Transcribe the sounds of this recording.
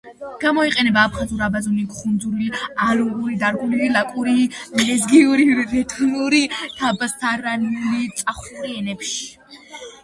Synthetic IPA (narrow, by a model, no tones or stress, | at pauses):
ɡ̥amɔiqʼɛnɛbaːpʰχazuɾabazuniɡχund̪zuɾilialuɡuɾid̪aɾɡʼɔnulilakʼuɾilɛzɡiuɾiɾɛt̪ʰɔnuɾit̪ʰabast̪ʰaɾanlit̪sʼaχuɾiɛnɛpʃi̥